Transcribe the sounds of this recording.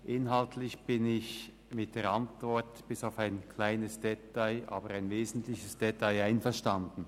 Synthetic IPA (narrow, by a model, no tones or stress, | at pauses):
ʔɪnɦaltʰlɪçb̥ɪnɪç | mɪt̚d̥eːɐantv̥ɔɐtb̥ɪsaʊfaɪnkʰl̥aɪnəsd̥ɛtaɪʔa̰ːbəʁaɪnveːzn̩tlɪçəsd̥ɛtʰaɪaɪnfɛɐʃtandn̩